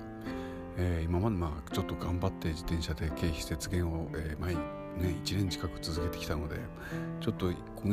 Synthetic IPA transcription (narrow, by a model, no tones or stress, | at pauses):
eːimamad̪emaːt͡ɕo̞t̪ːo̞ɡãmbat̪ːe̞d͡ʑit̪ẽ̞ɕad̪e̞ke̞ːçi̥se̞t͡sɨɡẽ̞ɰ̃o̞eːmai | nẽit͡ɕinẽɲ̟t͡ɕi̥kakɯ̟̥t͡sɨzɨke̞t̪e̞kʲi̥t̪ano̞d̪e̞̰ | t͡ɕo̞t̪ːo̞ | kʰo